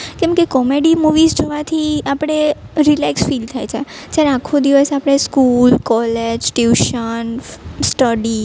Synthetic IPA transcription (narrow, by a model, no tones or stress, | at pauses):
kɛ̃mkekɔmeɖimuʋizd͡ʒoʋat̪ʰiapɽ̃eɾilaksfilt̪ʰajt͡ʃʰe | t̪jaɾeakʰod̪iʋəsapɽ̃eskulkɔled͡ʒʈjuʃənsʈəɖi